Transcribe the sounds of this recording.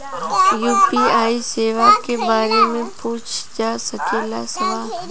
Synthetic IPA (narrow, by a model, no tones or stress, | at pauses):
juːpiaːiseːʋakebaːɾemẽpuːt͡ʃʰd͡ʒaːsɐkelasɐʋaː